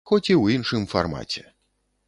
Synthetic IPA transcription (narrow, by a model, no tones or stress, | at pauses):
xɔt͡sʲiwinʂɨmfarma̰t͡sʲɛ